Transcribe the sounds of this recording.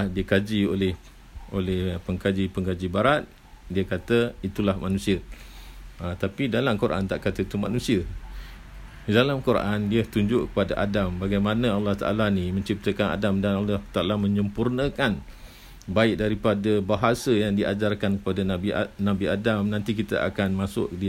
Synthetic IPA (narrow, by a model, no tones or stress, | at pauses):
diəkad͡ʒiolɛh | ʔolɛhpəŋkad͡ʒipəŋɡad͡ʒibaɾat̪̚ | diakat̪əit̪ulahmanũsiə | ət̪apidalamkuɾʔa̰nt̪aʔkat̪ait̪uma̰nũsiə | dalamkuɾʔandiət̪uɲd͡ʒʊʔkə̥padaʔadambaɡajmanə̃alːɑht̪a̰ʔa̰lanimə̃ɲt͡ʃip̚t̪əkana̰damdanalːɑht̪aʔalamə̃ɲəmpurnə̃kan | baɪk̚daɾipadəbaɦasəjaŋdiad͡ʒarkankəpadanabinabiadamnãnt̪ikit̪a̰ʔa̰kanmãsʊ̰ʔdi